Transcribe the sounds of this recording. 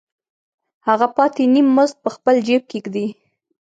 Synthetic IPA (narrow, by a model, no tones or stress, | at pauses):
haɣapɑt̪enimːʊzt̪̚pəxpəld͡ʒep̚kekd̪i